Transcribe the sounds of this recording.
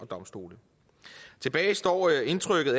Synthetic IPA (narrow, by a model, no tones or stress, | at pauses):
ɒ̽d̥ɒ̽msd̥o̝̰ːlə | t͡sʰe̝b̥ɛːɪsd̥ɒ̰ːe̝nt͡sʰʁœɡ̥ð̩ˠæ